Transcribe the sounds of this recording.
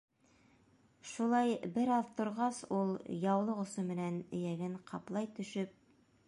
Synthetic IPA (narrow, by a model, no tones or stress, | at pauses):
ʃulˠɑjbɘɾɑðt̪ŏɾʁɑsulˠjɑwlˠɤŏsomɘ̆nænɘ̆jæɡɘɴqʰɑplˠɑjt̪ɵ̆ʃɵp̚